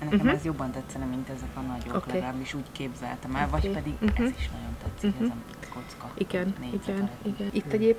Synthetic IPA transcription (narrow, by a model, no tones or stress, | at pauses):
nɛɛmɛzjo̞bːɒnt̪ɛt̪sɛnɛmint̪ɛzɛkɒnɒɟooklɛeːɾabiʃuːɟkeːbzɛ̰lt̪ɛmɛlvɒcːpɛd̪iɡɛziʃnɒɟo̞nt̪ɛt̪sːikɛzɛm | ko̞t̪skɒʔiɡɛnneiɡɛniɡɛnit̪ːɛɟeːp